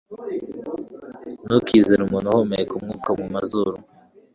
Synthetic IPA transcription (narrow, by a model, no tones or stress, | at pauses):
nukʰizeɾumunuhomeekumŋuːkamumazuɾu